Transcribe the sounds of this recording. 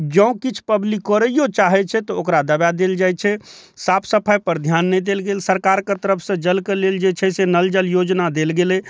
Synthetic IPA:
d͡ʒə̃ũkit͡ʃʰpəblikːəɾəjot͡ʃaɦɛt͡ʃʰɛt̪ɔokɾad̪əbad̪eld͡ʒajt͡ʃʰɛ | sapʰsəpʰajpəɾd̪ʱjanːɛd̪elɡelsəɾkaɾkət̪əɾəpʰsə̃d͡ʒəlkeleld͡ʒet͡ʃʰɛsenəld͡ʒəljod͡ʒnad̪elɡelɛ

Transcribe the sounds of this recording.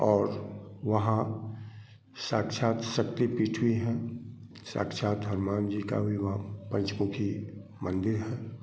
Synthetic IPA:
ɔːɾʋɐɦã | saːkʃaːt̪səkt̪ipiːʈʰwiɦɛ̃ | sa̰ːkʃʰaːt̪̚ɦəɾmaːnd͡ʒika̰bʱiʋɐɦãpə̃nt͡ʃkõkʰi | mə̃nd̪ɪɾɦɛ̃ː

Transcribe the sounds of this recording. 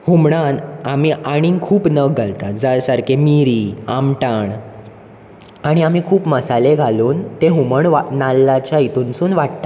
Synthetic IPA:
humɽanamiaɽ̃ikʰuːpnəɡʱalt̪ad͡zajsaɾkemiɾiːa̰mʈaɳ | aɽ̃iamiːkʰuːpməsaleɡʱaluːnt̪eɦuməɳʋanalːat͡ɕjait̪ʰunsuːnʋaɽt̪a

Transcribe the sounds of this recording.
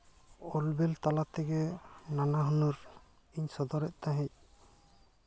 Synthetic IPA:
ɔlbɛlt̪alat̪ɛɡɛnanaɦɔnuɾ | iɲsɔd̪ɔɾɛʔ̚t̪aɦɛ̃c̚

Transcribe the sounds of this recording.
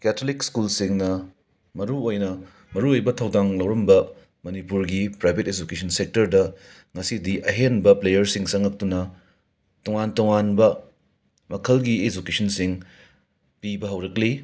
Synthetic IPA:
kɛtʰolikskulsiŋnɐ | mɐɾuojnɐ | mɐɾuojbɐtʰɐwdaŋlɐwɾɐmbɐ | mɐnipuɾɡipɾajbʱeted͡ʒukesʰɐnsek̚tɐɾdɐ | ŋɐsidiʔɐɦenbɐplejɐɾsiŋsɐŋɐk̚tunɐ | tɔŋantoŋanbɐ | mɐkʰɐlɡied͡ʒukesʰɐnsiŋ | pibɐɦɐwɾɐkli

